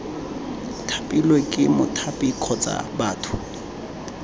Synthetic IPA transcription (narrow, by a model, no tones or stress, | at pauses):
tʰapʼilwekʼɪmʊtʰapʼikʰɔt͡sʼa̰baːtʰʊ̥